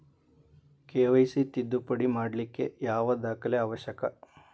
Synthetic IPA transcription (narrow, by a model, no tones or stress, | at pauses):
keːʋɐjsit̪id̪ːupɐɽimaːɽlikːe̞̰jaːʋɐd̪aːkɐleaːʋɐʃɐkɐ